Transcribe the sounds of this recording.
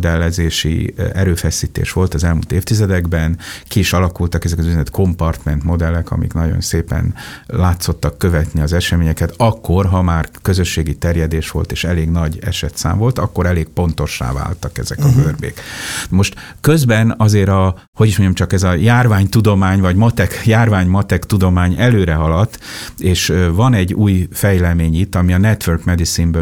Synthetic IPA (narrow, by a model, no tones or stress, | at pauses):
d̪ɛlːɛzeːʃḭɛɾøːfɛsiːt̪ḛːʃʋo̞lt̪ɒzɛlmṵlt̪eːft̪izɛd̪ɛɡbɛnkiːʃɒlɒkult̪ɒkɛzɛkɒzyzɛnɛt̪kʰo̞mpɒrt̪mɛnt̪mo̞d̪ɛlːɛkɒ̰mḭknɒɟo̰nseːpɛ̰nlaːt̪so̞t̪ːɒkːø̞vɛt̪niɒzɛʃɛmeːɲɛkɛt̪ɒkːo̞rɦɒmaːrkø̞zø̞ʃːeːɡit̪ɛrjɛd̪eːʃʋo̞̰lt̪eːʃɛleːɡnɒɟɛ̰ʃɛt̪sa̰ːɱvo̞lt̪ɒkːo̞ɾɛleːɡ̚po̞n̪t̪o̞ʃːa̰ːva̰ːlt̪ɒkɛ̰zɛkɒbørbḛːkmo̞ʃt̪ | køzbɛnɒzeːɾɒ | ho̞ɟiʃmoɲɟɒmt͡ʃɒkɛzɒjaːrvaːɲt̪ud̪o̞maːɲvɒɟmɒt̪ɛkjaːrvaːɲmɒt̪ɛkt̪ud̪o̞maːɲɛløːɾɛɦɒlɒt̪ːeːʃvɒnɛɟːuːjfɛjlɛmeːɲit̪ːɒmiɒnɛt̪ʋørkmɛd̪isimbø